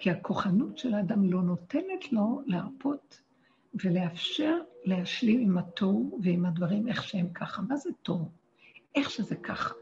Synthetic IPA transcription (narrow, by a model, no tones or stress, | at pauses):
kʰiakʰo̞χanutʃelaːdamlo̞no̞te̞netʰlo̞leaʁpʰo̞t | ve̞le̞afʃe̞ʁle̞ɦaʃlimimatʰovveimhadvaʁime̞χʃehemkʰaχamazeto̞v | ʔe̞χʃezekʰaχḁ